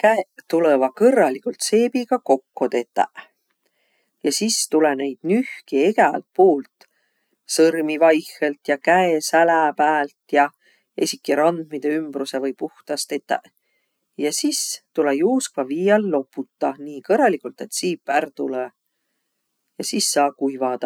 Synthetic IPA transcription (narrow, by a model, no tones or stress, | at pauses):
kæet̪ulevɑkɤrːɑlikult̪se̞ːbiɡ̥ɑko̞kːo̞t̪e̞t̪ːˑæ̰ʔ | jɑsist̪ulene̞jd̪̥nyhkieɡæɑ̰lt̪̚poːlt̪ | sɤrmivɑjhelt̪jɑkæesælæpæːlt̪jɑ | ḛsʲikːiɾɑnd̪̥mid̪e̞ymb̥ɾuse̞vɤjpuht̪ɑst̪e̞t̪ːˑæ̰ʔ | jɑsist̪ulejuːskvɑviːjɑlːo̞pːˑut̪ˑːɑniːkɤrːɑlikˑult̪e̞t̪ːsiːpːˑært̪ule | jɑsisːɑːkujvɑd̪̥ɑ